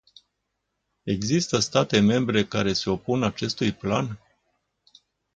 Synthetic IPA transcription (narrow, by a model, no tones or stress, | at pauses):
e̞ɡzist̪əst̪at̪e̞me̞mbɾe̞kaɾe̞se̞o̞punat͡ʃe̞st̪ujplan